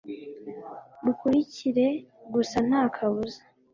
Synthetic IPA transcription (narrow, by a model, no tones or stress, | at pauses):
dukuɾiciɾe̞ɡusan̥aːkʰaβuza